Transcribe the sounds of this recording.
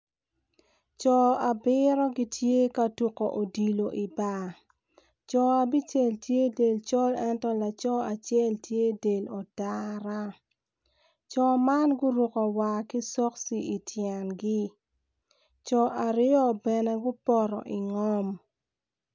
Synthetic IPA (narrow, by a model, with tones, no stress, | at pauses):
t͡ʃɔ˨a˨bɪ˦ɾɔ˦ɡi˦tʰje˦ka˦tu˨ko̰˨ʔo˨di˨lo˨ʔi˨ba˨ | t͡ʃɔ˨a˨bi˦t͡ʃe˨ltje˦de˨lt͡ʃɔ˦lɛ˦ntɔ˦la˨t͡ʃɔ˦a˨t͡ʃjɛ˦˨ltʰje˦de˨lɔ˨da˦ɾa˦ | t͡ʃɔ˨ma˦nɡʊ˦ɾu˨kɔ˨wa˨ki˦sɔ˦ksi˨i˨tʰjɛ˨nɡi˦ | t͡ʃɔ˨ʔa˨ɾɪ˦ɔ˦bɛ˨nɛ˦ɡʊ˦pɔ˦˨ɾɔ̰˨ʔi˨ŋɔ˦m